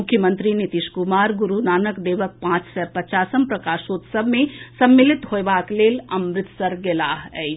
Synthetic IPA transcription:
mʊkʰːjəmə̃nt̪ɾinit̪iʃkumaːɾɡuɾunaːnəkd̪eːʋək̚pãːt͡ʃsɛːpɐt͡ʃaːsəmpɾɐkaːʃoːt̪səbʱmẽsɐmːɪlɪt̪hoebaːkleːlɐmɾɪt̪sɐɾɡelaːɦɛ

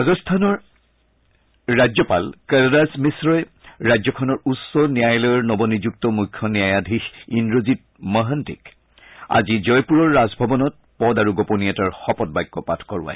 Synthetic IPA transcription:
azɔstʰanɔɹ | ɹazɔpalkɛndasmisɹɔj | ɹajzɔkʰɔnɔɹusɔnijajlɔjɔɹnɔbɔnizuk̚tɔmukʰːɔniajadʱixindɹozit̚ | mɔɦəntḭk | a̰zizɔjpuɹɔɹːazbʱɔbɔnɔt̚ | pɔdaɹuɡɔponiataɹxɔpɔt̚bajɡːɔpatʰkɔɹṵa̰j

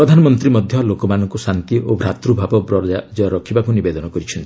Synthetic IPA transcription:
ɾɔd̪ʱanɔmɔnt̪ɾimɔd̪ʱjɔlokɔmanɔŋkusant̪iobʱɾat̪ɾubʱabɔbɾɔad͡ʒɔɾɔkʰibakunibed̪ɔnɔkɔɾit͡ʃʰɔnt̪i̥

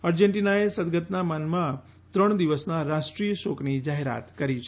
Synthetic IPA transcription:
əɾd͡ʒeɳʈinaesəd̪ɡət̪namənmã | t̪ɾəɳ̃d̪iʋəsnaɾaʃʈɾijəʃoknid͡ʒaɦeɾa̰t̪kəɾit͡ʃʰ

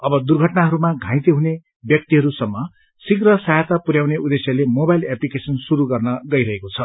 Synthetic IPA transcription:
ʌbʌd̪urɡʱʌʈnaɦʌɾumaɡʱãj̃t̪eɦune | bjʌk̚t̪iɦʌɾusʌmːʌ | siɡrʌsaɦat̪apuɾjawneʔud̪esjʌlemobaileplikesʌnsuɾuɡʌrnʌɡʌiɾʌɦekot͡sʰʌ

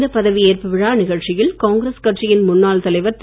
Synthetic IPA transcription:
d̪ɐpːɐðɐʋieːrpɯʋɪɻaːnɪɣɐɻt͡ʃɪjɪɭkaːŋɡɪɾeskɐʈ̚t͡ʃɪjɪnmʊnːaːlt̪ɐlɐɪʋɐɾt̪

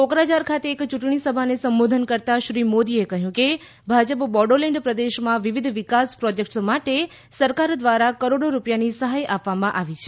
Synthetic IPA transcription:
okɾad͡ʒaɾkʰat̪eːkt͡ʃuʈɳ̃isəbʱanesəmbod̪ʱənkəɾt̪aʃɾimod̪iekəɦjũke | bʱad͡ʒəpbɔɖəlɛɳɖpɾəd̪eʃmãʋiʋid̪ʱʋikaspɾɔd͡ʒek̚ʈsmaʈe | səɾkaɾd̪ʋaɾakəɾoɽoɾupjanisəɦajapʋːamãʔaʋit͡ʃʰe

